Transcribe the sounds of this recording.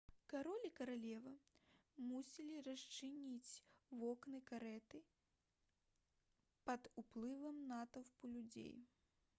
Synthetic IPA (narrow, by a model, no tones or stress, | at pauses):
kaɾɔlʲikɐɾalʲɛvɐ | musʲilʲiɾɐst͡ʂɨnʲit͡sʲvɔknɨkaɾɛt̪ɨ | pɐd̪uplˠɨvɐmnat̪ɐwpulʲud͡zʲḛj